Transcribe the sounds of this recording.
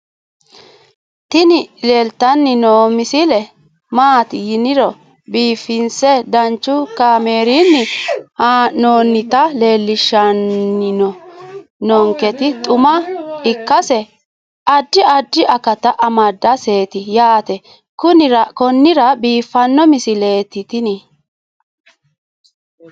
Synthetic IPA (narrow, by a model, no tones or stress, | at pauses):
t̪ɪnɪle̞ːlt̪ɐnːɪnoːmɪsɪlɛ | maːt̪ɪjɪnɪɾɔ | biːfːɪnsɛd̪ɐnt͡ʃːʊkameːɾinːɪhanoːnːɪt̪ɐle̞ːlːɪʃːɐnːɪnɔ | nɔŋkɛt̪ɪt̪ʼʊmɐɪkːɐsɛ | ʔɐd̪ːɪʔɐd̪ːɪʔɐkɐt̪ɐʔɐmɐd̪ːɐse̞ːt̪ɪjaːt̪ɛ | kʊnɪɾɐkɔnːɪɾɐbiːfːɐnːɔmɪsɪleːt̪ːɪt̪ɪni